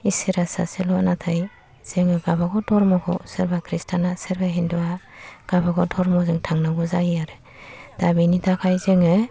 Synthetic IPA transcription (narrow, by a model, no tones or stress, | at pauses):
isiɾasa̰selɔnatʰaj | z̥eŋɯɡabaɡɔdɔɾmɔɡʰɔ̰sɯɾbakʰɾistʰanasɯɾbaɦindɔaɡ̥abaɡɔdɔɾmɔzɯŋtʰaŋnaɡɔzajijaɾɯ | d̥abinitʰakʰajzeŋɯ